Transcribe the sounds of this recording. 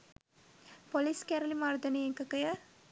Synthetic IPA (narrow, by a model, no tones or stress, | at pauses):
poliskɛɾɐlimaːɾd̪ɐnieŋkɐkɐjɐ